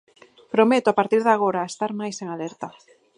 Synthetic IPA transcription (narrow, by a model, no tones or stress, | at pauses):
pɾomet̪oapaɾt̪iɾðaɣ̞oɾaest̪aɾmajseŋaleɾt̪a